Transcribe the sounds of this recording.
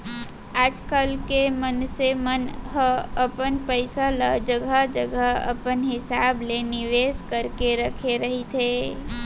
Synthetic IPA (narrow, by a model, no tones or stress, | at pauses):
aːd͡ʒkəlkemənsemənɦəəpənpəɪsaləd͡ʒəɡʱəd͡ʒəɡəə̰pənɦɪsaːblenɪʋeːskəɾkeɾəkʰeɾəɦit̪ʰeː